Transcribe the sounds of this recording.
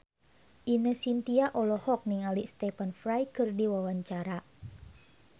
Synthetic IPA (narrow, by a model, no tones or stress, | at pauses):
ʔinəsint̪iaʔɔlɔhɔk̚niŋaliʔst̪ɛfənfɾajkɨrdiwawaɲt͡ʃaɾa